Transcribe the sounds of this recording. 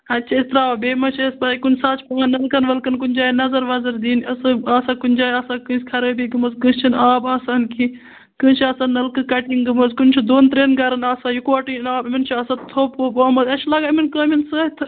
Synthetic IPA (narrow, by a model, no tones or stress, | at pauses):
ɐtːt͡ʃʰɐist̪ɾaːʋabeːmɐt͡ʃʰespaːikunʲsaːt͡ʃʰpɐanɐlkɐnʋɐlkɐnkunʲd͡ʒaːjnɐzɐɾʋɐzɐɾd̪iːnɐsɨaːsaːkunʲd͡ʒaːjaːsaːkɨ̃sʲkʰɐɾəːbiːɡɐmɐzkɨ̃st͡ʃʰinaːbaːsaːnki | kɨ̃ːt͡ʃʰiɐsanɐlkɨkɐʈiŋɡɨmɐzkunʲt͡ʃʰid̪oːnt̪ɾeːnɡɐɾɐnaːsaːjukuaːʈinaːbimint͡ʃʰiaːsat̪t̪ʰoːpoːbɐːmɐd̪ɐt͡ʃʰlaːɡaːiminkəːminsət̪ʰɨ